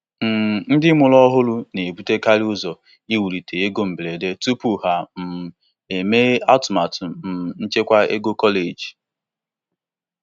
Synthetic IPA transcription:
m̩˨n̩˦dɪ˦mʊ˨lɔ˦ɦʊ˦lʊ˦ne˨bu˦te˦ka˦lʊ˦zɔ˨ | i˦wu˨ɾi˨tʰe˨e˦ɡo˦m̩˨ble˨de˦tu˦pu˨ɦa˨m̩˨ | e˨me˦a˦tʊ˨ma˨tʊ˨m̩˨n̩˦t͡ʃe˦kʷa˦ḛ˦ɡo˦kɔ˦le˨d͡ʒ

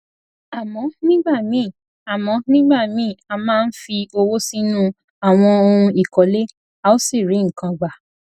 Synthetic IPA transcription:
a˨mɔ̃˨˧˦nĩ˦ɡ͡ba˦˨mĩ˨˦˨ | a˨mɔ̃˨˧˦nĩ˦ɡ͡ba˦˨mĩ˨˦˨a˧mãː˦˧n̩˦fi˧o˧wo˦sĩ˦nũ˦ | a˦˨w̃ɔ̃˧o˧hũ˧i˨kɔ˨˦le˦ | a˧o˦si˦˨ɾi˨˦ŋ̩˨kã˧ɡ͡ba˨

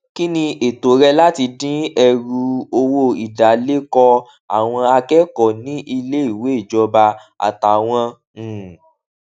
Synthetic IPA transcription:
ki˦nĩ˧e˨to˨˦ɾɛ˧la˦ti˧dĩ˦ɛ˧ɾu˧o˧wo˧i˨da˨le˦kɔ˧ | a̰˨w̃ɔ̃˧a˧kɛ˦kɔ˨nĩ˨˦ʔi˧le˦i˦˨we˨˦i˦˨d͡ʒɔ˧ba˧ | a̰˨ta˨w̃ɔ̃˧˨

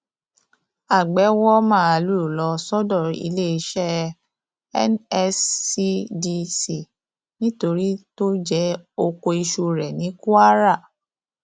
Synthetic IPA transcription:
a˨ɡ͡bɛ˨˦wɔ˦mãː˦˨a˧lu˦˨u˨lɔ˧sɔ˦dɔ˦˨ḭ˧le˦i˧ʃɛ˦ | ɛ˦nɛ˧si˧di˧si˨ | nĩ˦to˧ɾi˦to˦d͡ʒɛ˦o˧ko˧i˧ʃu˧ɾɛ˨nĩ˨˦ku˦a˦ɾa˦˨

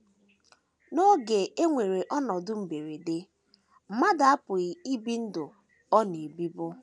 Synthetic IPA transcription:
no˦ɡe˨e˦ŋʷe˨ɾe˨ʔɔ˦nɔ˨dʊ˦m̩˨be˨ɾe˨de˦ | m̩˨ma˦da˨a˦pʊ˨ɣi˨i˦bi˦n̩˦dʊ˨ | ɔ˦ne˨bi˦bʊ˦

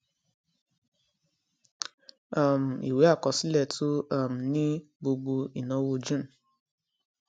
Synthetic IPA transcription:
a˦˨m̩˨ḭ˨we˨˦a˦˨kɔ˨si˦lɛ˧˨tʰu˦a˦˨m̩˨nĩ˦ | bo˧ɡ͡bo˧i˨nɔ̃˨˦wo˧d͡ʒũ˦n̩˨

